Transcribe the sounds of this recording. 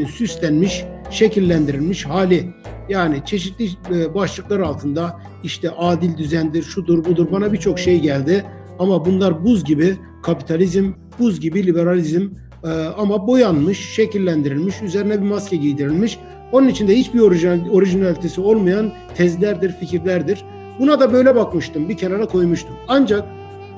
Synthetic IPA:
syst̪ʰænmiʃʃe̞cʰilʲːænd̪iɾilʲmiʃhaːlʲɪjaːnit͡ʃʰe̞ʃit̪lʲibaʃlˠɯklˠaɾalˠt̪ʰɯnd̪a | iʃt̪ʰɛʔaːd̪ilʲd̪yzænd̪iɾʃud̪uɾbud̪uɾbanabit͡ʃʰo̞kʃe̞jɟælʲd̪ɪ | amabunlˠaɾbuzɟibi | kʰapit̪ʰalʲizm | buzɟibilʲibe̞ɾalʲizm | amabo̞janmɯʃʃe̞cʰilʲːænd̪iɾilʲmiʃyze̞ɾinɛbimascʰɛɟijd̪iɾilʲmiʃ | o̞nunit͡ʃʰind̪ɛhit͡ʃbio̞ɾiʒinalʲit̪ʰe̞sio̞lˠmajan | t̪ʰɛzlʲæɾd̪iɾficʰiɾlʲæɾd̪iɾ̥ | bunad̪abø̞jlʲɛbakmɯʃt̪ɯmbicʰenaɾakʰo̞jmuʃt̪ʰumand͡ʒak̚

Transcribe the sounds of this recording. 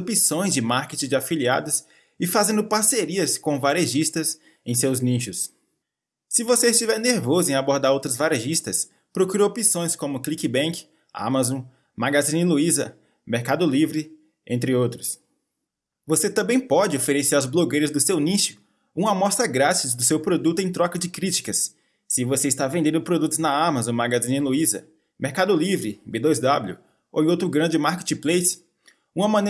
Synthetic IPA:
pisõj̃zd͡ʒɪmaɾket͡ʃɪd͡ʒɪafilia̰d̪ʊs | ɪfazẽnd̪ʊpaɾseɾiɐskõvaɾeʒist̪ɐs | ḛ̃j̃sewznĩʃʊs | sɪvoseɪst͡ʃivɛɾneɾvozʊẽaboɾd̪aɾowt̪ɾʊzvaɾeʒist̪ɐs | pɾokuɾowpisõj̃skõmʊklikɪbẽkɪ̥ | a̰mazõ | maɡazĩnɪluizɐ̰ | meɾkad̪ʊlivɾɪ | ẽnt̪ɾɪowt̪ɾʊs | voset̪ɐ̃bẽj̃pɔd͡ʒɪofeɾeseɾazbloɡejɾɐzd̪ʊsewniʃʊ̥ | ũmɐmɔst̪ɾɐɡɾasɐzd̪ʊsewpɾod̪ut̪ʊẽj̃t̪ɾɔkɐd͡ʒɪkɾit͡ʃi̥kɐsː | ɪvoseɪst̪avẽnd̪ẽnd̪ʊpɾod̪ut̪ʊznɐamazõmaɡazĩnɪluizɐ̰ | meɾkad̪ʊlivɾɪbed̪ozd̪abljʊ̰ | o̰wowt̪ɾʊɡɾɐ̃nd͡ʒɪmaɾket͡ʃɪplejs | ũɐmɐ̃ne

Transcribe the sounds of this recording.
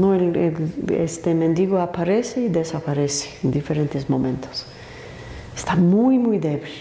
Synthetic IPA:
nõelḛlḛst̪emẽnd̪iɣoapaɾeseid̪esapaɾese̥ẽnd̪ifeɾẽnt̪ɪzmõmẽnt̪o̥s | e̥st̪amujmujd̪eβil

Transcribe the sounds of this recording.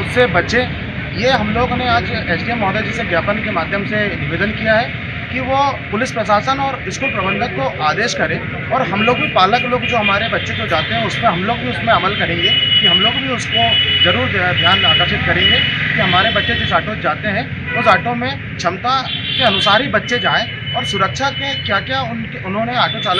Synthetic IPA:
ʊsebɐtːʃe | jeɦɐmloːɡneaːd͡ʒeːt͡ʃɖiemɔːd̪ed͡ʒiseɡjaːpənkemaːd̪ʱjəmsenɪʋeːd̪ənkijaɦɛ | kiʋopʊlɪspɾɐʃaːsənɔːɾɪʃkuːlpɾɐbə̃nd̪ət̪̚koʔaːd̪eːʃkɐɾẽː | ɔːɾɦɐmloːɡbʱipaːləkloːɡd͡ʒoːɦɐmaːɾebɐtːʃekod͡ʒaːt̪eɦɛ̃ʊsmẽɦɐmloːɡbʱiʊsmẽɐməlkɐɾẽːŋɡekiɦɐmloːɡbʱiʊskozɐɾuːɾd̪ʱjaːnaːkəɾʃɪt̪̚kɐɾẽːŋɡekiɦɐmaːɾebɐtːʃed͡ʒɪsaːʈõd͡ʒaːt̪eɦɛ̃ | ʊsaːʈõmẽ | t͡ʃʰɐmt̪akeɐnʊsaːɾɦibɐtːʃed͡ʒaːẽ | ɔːɾsʊɾəkʃaːmẽkjaːkjaʊnkeʊnɦõneaːʈõt͡ʃaːl

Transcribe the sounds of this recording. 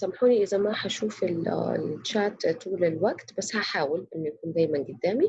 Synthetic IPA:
sæmħuːniʔɪzæmaħaʃuːfɪl̰t͡ʃːaːt̪t̪ːuːlɪlwaɡt̪basːhaħaːwɪlʔɪnːʊjakuːnd̪æːjmænɡʊd̪ːæːmi

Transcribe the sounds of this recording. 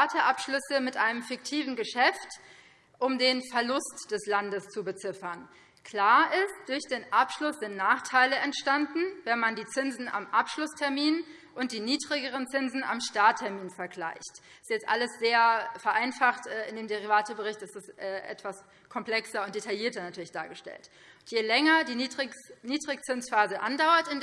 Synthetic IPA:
tʰəʔapʃlʏsəmɪtʔaɪnəmfɪk̚tʰiːvn̩ɡəʃɛft | ʔʊmdeːnfɛɐlʊstd̥ɛslandəst͡subət͡sɪfɐn | kʰl̥aːɐʔɪstd̥ʊɐçd̥eːnʔapʃlʊsz̥ɪntnaːχtʰaɪləʔɛntʃtandn̩vɛnmandiːt͡sɪnzn̩a̰mʔapʃlʊstʰɛɐmiːn | ʔʊnt̚d̥iːniːdʁɪɡəʁənt͡sɪnzn̩a̰mʃtaːtʰːɛɐmiːnfɛɐɡla̰ɪçt | ɪstjɛt͡stʔa̰ləsz̥eːɐfɛɐʔaɪnfaχtʔɛːɪndeːmdeʁivaːtəbəʁɪçtɛsɪstʔɛːʔɛ̰tv̥as | kʰɔmpl̥ɛksɐʊntd̥etʰajiːɐtɐnatʰyːɐlɪçd̥aːɐɡəʃtɛ̰lt | jeːlɛŋɐdiːniːdʁɪkt͡sɪnsfaːzəʔa̰ndaʊɐtɪn

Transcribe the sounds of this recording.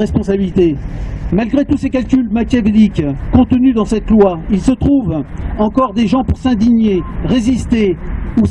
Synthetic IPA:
ʁɛspɔ̃sabilit̪emalɡʁet̪usekalkʲylmat̪ʲjavelikkɔ̃t̪ənyd̪ɑ̃sɛt̪lwailsət̪χuvɑ̃kɔʁd̪eʒɑ̃puʁsɛ̃d̪iɲeʁezist̪eu

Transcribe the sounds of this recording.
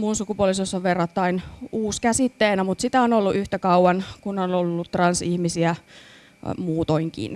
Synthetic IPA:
munsukupuolisosːɑʋʋerːɑt̪ːɑinuːskæsit̪ːeːnæmut̪sit̪æonolːuʔyht̪ækɑuwɑnkunonolːut̪ːrɑnsihmisiæ | muːt̪oiŋkḭn

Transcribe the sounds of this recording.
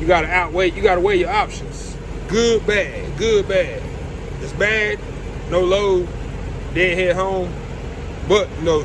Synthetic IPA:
jɨɡɑɾɨaʊt̚weɪjɨɡɑɾəweɪjə˞ɑpʃɨ̃nz̥ | ɡ̥ʊd̚bæd̚ɡʊd̚bæd | ɨtsbæd̚ⁿ | noʊloʊ | dɛdhɛd̚ɦõʊ̃m | bʌt̚noʊ

